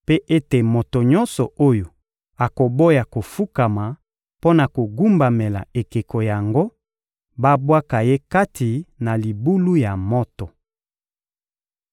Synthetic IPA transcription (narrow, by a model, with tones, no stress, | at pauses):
pe˦ʔe˦te˨mo˨to˨ɲɔ˦nsɔ˨o˦jo˨ | a˨ko˨bo˦ja˨ko˨fu˦ka˨ma˨ | po˦na˨ko˨ɡu˦mba˨me˨la̰˨e˨ke˨ko˨ja˨ŋɡo˦ | ba˦bwa˦ka˨je˦ka˦tʰi˨na˨li˨bu˦lu˦ja˨mɔ˦tɔ˨